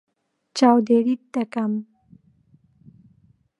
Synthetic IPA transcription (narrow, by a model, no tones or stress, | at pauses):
t͡ʃawd̪eɽit̪t̪ːakam